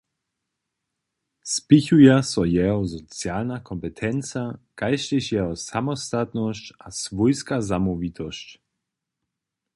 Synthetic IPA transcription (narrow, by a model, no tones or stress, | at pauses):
spiçujasɔjɛɦɔzɔt͡sjaːlnakʰɔmpɛt̪ʰɛnt͡sakajʃɪʃjɛɦɔsamɔst̪at̪nɔɕcasvɔjskazamɔvit̪ʰɔɕc